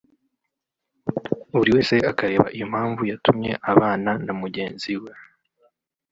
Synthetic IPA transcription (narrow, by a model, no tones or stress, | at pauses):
uuɾiwe̞ːse̞akaɾe̞ːβa̰ʔijom̥haːɱvujatumɲe̞̰ʔaβaːnanamuɟe̞ːnziwe